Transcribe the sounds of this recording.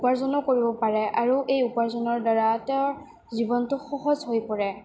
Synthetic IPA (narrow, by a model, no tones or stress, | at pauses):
paɹzɔnɔkoɹibɔpaɹɛaɹuʔejupaɹzɔnɔɹdaɹatɛɹ | zibɔntʊxɔɦɔzɦojpɔɹɛ